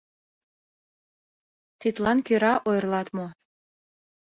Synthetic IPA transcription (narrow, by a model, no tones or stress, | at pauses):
t̪it̪lɑnkøɾɑʔojrlɑt̪mo